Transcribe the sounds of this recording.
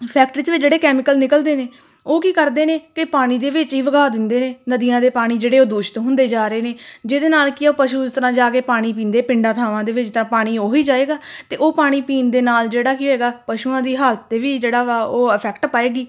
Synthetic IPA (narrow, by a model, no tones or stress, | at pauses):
pʰɛːk̚ʈɾiːseʋɪt͡ʃd͡ʒeːɽeːkɛːmɪkəlnɪkəld̪eːneː | oːkiːkəɾd̪eːneːkɪpaːɽ̃iːd̪eːʋɪt͡ʃɦiːʋəɡaːd̪ɪnd̪eːneːnəd̪ijãːd̪eːpaːɽ̃iːd͡ʒeːɽeːoːd̪ʊːʃt̪ɦʊ̃nd̪eːd͡ʒaːɾeːneːd͡ʒeːd̪eːnaːlkɪopəʃuːɪst̪əɾãːd͡ʒaːkeːpaːɽ̃iːp̬iːnd̪eːpɪɳɖãːt̪ʰaːʋãːd̪eːʋɪt͡ʃt̪ãːpaːɽ̃iːoːɦiːd͡ʒaːeːɡaːt̪eːʔoːpaːɽ̃iːpiːnd̪eːnaːld͡ʒeːɽaːkiːɦoeːɡaːpəʃuːãːd̪iːɦaːlt̪ːeːʋiːd͡ʒeːɽaːaoːəpʰɛːkʈpaːeːɡiː